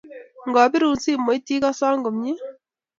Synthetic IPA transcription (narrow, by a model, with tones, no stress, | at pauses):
ŋɡɔ˨pi˦ɾu˨nsi˦mːo˨˦jti˦ka˦sɔ˦ŋɡʊ˨mɲi˦